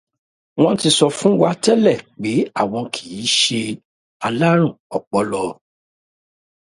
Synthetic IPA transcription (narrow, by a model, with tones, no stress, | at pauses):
w̃ɔ̃˦n̩˦ti˧sɔ˧fũ˦wa˧tɛ˦lɛ˦˨k͡pe˨˦a˦˨w̃ɔ̃˧kʰi̥˨ji˨˦ʃe˧ | a˧la˦ɾ̃ũ˦˨ɔ˨k͡pɔ˨˦lɔ˧